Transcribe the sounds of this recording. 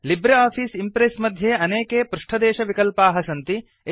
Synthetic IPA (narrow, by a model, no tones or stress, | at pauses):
libɾɐaːpʰiːsimpɾesmɐd̪ʱjeːɐneːkeːpɾuʂʈʰɐd̪eːʃɐʋikɐlpaːɦɐsɐnt̪i | e